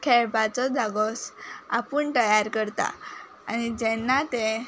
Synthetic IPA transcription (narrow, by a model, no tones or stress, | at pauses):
kʰɛɭpat͡sɔd̪aɡɔsapəɳt̪əjaɾkəɾt̪a̰ | anid͡ʑɛnːat̪ɛ̃